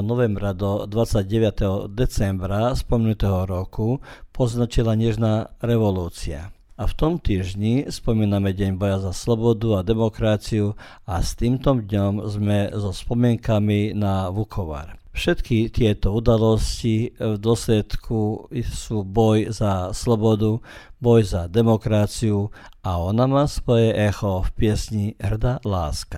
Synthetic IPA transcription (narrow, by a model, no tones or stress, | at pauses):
nɔʋɛmbɾad̪ɔd̪ʋat͡sːaɟɟɛʋat̪ɛɦɔd̪ɛt͡sɛmbɾaspɔmɛnut̪ɛɦɔɾɔkupɔznat͡ʃilaɲɛʒnaɾɛʋɔluːt͡sia̰aft̪ɔmt̪iːʒɲispɔmiːnamɛɟɛɲbɔjazaslɔbɔd̪uad̪ɛmɔkɾat͡siu | ast̪iːmt̪ɔmd̪ɲɔmzmɛzɔspɔmɪɛŋkaminaʋukʰɔʋa̰ɾfʃɛt̪kit̪ɪɛt̪ɔud̪alɔscivd̪ʊɔslɛt̪kʰusuːbɔjzaslɔbɔd̪ubɔjzad̪ɛmɔkɾat͡siuaɔnamaːsʋɔjɛʔɛxɔfpɪɛsɲiɦrd̪alaːska